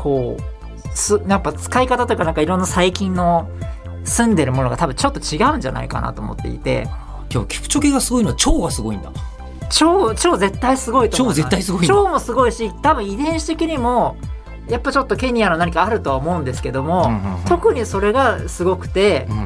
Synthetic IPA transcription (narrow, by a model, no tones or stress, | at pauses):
kʰo̞ː | sɨnãŋkat͡sɨ̥kaikat̪at̪o̞jikanãŋkaiɾo̞nːasaikʲĩnːo̞ | sɨ̃nd̪e̞ɾɯ̟mo̞no̞ɡat̪abɯ̟̃ɲt͡ɕo̞t̪ːo̞t͡ɕiɡaɯ̟̃ɲ̟d͡ʑa̰na̰ika̰na̰t̪oːmo̞̰t̪ːe̞̰ḭt̪e̞̰ | kobkʲi̥kɯ̟̥t͡ɕokeɡasɨɡo̞inoat͡ɕoːɡasɨɡo̞ḭ̃nd̪a̰ | t͡ɕo̞ːt͡ɕo̞ːze̞t̪ːaisɨɡo̞it̪ooːzet̪ːaisɨɡoit͡ɕo̞ːmo̞sɨɡo̞iɕit̪abɯ̟̃ɰ̃id̪ẽ̞ɰ̃ɕi̥t̪e̞kʲiɲ̟imo̞ | japːat͡ɕo̞t̪ːo̞ke̞ɲ̟iano̞naɲ̟ikaːɾɯ̟t̪o̞βaomo̞ɯ̃nd̪e̞sɨ̥ke̞d̪o̞mo̞t̪o̞kɯ̟ɲ̟iso̞ɾe̞ɡasɨɡo̞kɯ̟̥t̪e̞